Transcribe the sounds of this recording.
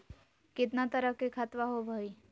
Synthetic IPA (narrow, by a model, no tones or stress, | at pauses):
kɪt̪̬nat̪əɾəkekʰat̪ʋaɦobʱəi